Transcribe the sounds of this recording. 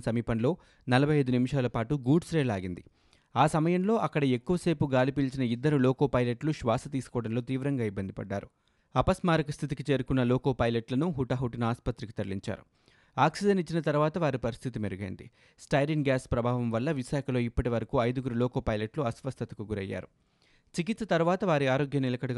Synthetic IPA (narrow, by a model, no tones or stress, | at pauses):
sɐmiːpɐnlo̞ː | nɐlɐbʱɐjɐjd̪unimiʃaːlɐpaːʈuɡuːɖsɾeːlaːɡind̪ḭ | aːsɐmɐjɐmlo̞ːʔɐkːɐɽɐe̞kːuʋɐse̞ːpuɡaːlipiːlt͡ʃinɐid̪ːɐɾulɔːko̞ːpɐjleʈluʃʋaːsɐt̪iːsu̥kɔːɽɐnlo̞ːt̪iːʋɾɐŋɡaːibːɐnd̪ipɐ̰ɖːa̰ːɾu | ɐpɐsmaːɾɐkɐst̪ʰit̪ikit͡ʃe̞ːɾukunːɐlɔːko̞ːpɐjleʈlɐnuɦuʈɐɦuʈɐnaːspɐt̪ɾiki̥t̪ɐɾliɲt͡ʃa̰ːɾṵ | aːksiɖɐnit͡ʃːinɐt̪ɐɾuʋaːt̪ɐʋaːɾipɐɾist̪ʰit̪imeɾuɡɐjḭnd̪ḭ | sʈɐjɾiŋɡjaːspɾɐbʱaːʋɐmʋɐlːɐʋiʃaːkʰɐlo̞ːipːɐʈiʋɐɾɐkuːɐjd̪uɡuɾulɔːkoːpɐjleʈluɐsʋɐst̪ʰɐt̪ɐkuɡuɾɐ̰jːa̰ːɾu | t͡ʃikit̪sɐt̪ɐɾuʋaːt̪ɐʋaːɾiaːɾo̞ːɡjɐnilɐkɐɽɐɡ